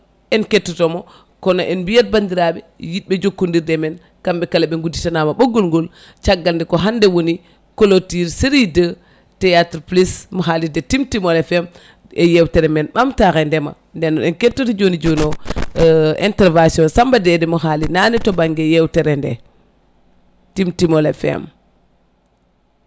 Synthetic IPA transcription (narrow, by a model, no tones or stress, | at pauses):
ɛnketːɔtɔmɔ | kɔnɔʔɛnbijat̚bandiɾaɓɛ | jiɓɛd͡ʒokːundiɾdɛmɛn | kamɓɛkalaɓɛŋɡuditanamaɓoɡːolŋɡol | t͡ʃaɡːaldɛkɔɦandɛwoni | kolotiɾsiɾidə | tɛjatɾplismɔɦalidɛtimtimɔɾɛfɛm | ejewtɛɾɛmɛnɓamtaxɛndɛma̰ | ndɛnːɔɗɛnketːotid͡ʒonid͡ʒono | ɛ̰ntɛɾvasiɔnsambadɛdɛmuɦalinanɛtobaŋɡejewtɛɾɛndɛ̰ | timtimolefɛ̰m